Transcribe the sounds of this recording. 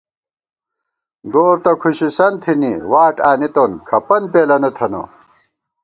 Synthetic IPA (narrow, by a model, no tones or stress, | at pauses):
ɡoːɾt̪ɐkʰuɕisɐnt̪ʰiniwaːʈaːnit̪oːnkʰɐpɐnpeːlɐnɐt̪ʰɐno̰